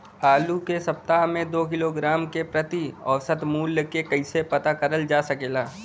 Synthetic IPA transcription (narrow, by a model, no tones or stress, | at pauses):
aːlukesɐp̚t̪aɦmẽd̪oːkɪloɡɾaːmkepɾɐt̪iɔ̰ːsət̪muːlkekɐisepɐt̪akəɾəld͡ʒaːsɐkeːlaː